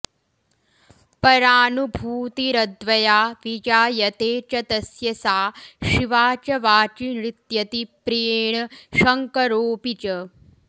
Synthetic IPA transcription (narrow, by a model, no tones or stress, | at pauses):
pɐɾaːnubʱuːt̪iɾɐd̪ʋɐjaːʋid͡ʒaːjɐt̪eːt͡ʃɐt̪ɐsjɐsaːʃiʋaːt͡ʃɐʋaːt͡ʃinɾit̪jɐt̪ipɾijeːɳɐʃɐŋkɐɾoːpit͡ʃɐ